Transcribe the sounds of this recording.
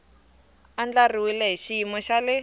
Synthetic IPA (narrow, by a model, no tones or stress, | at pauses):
and͡ɮariwilɛɦiʃiimɔʃalɪ